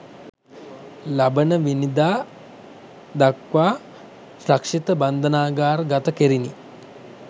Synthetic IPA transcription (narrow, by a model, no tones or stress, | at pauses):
labənəʋinid̪aː | d̪akʋaː | sɾakʂit̪əband̪ənaːɡaːɾɡat̪əkeɾini